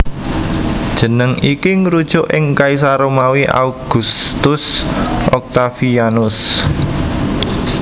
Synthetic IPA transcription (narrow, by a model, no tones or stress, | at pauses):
d̥ʒ̥ə̤nəŋikiŋɾud̥ʒ̥ʊʔɪŋkais̬aɾomawiʔa̰uɡ̥ṳst̪ʊsʔɔk̚t̪afianʊs